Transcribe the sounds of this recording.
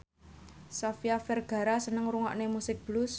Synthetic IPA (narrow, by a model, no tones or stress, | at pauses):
safiafɛrɡ̥a̤ɾasənəŋɾuŋɔ̰ʔnemusɪk̚b̥lus